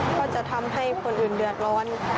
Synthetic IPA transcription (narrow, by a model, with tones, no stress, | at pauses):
kʰɔː˧˥˩t͡ɕa˧˩t̪ʰa˧mɦa˥˩jkʰo˧nʔɯː˨˩ndɯ˨˩ət̪̚lɔː˧˥n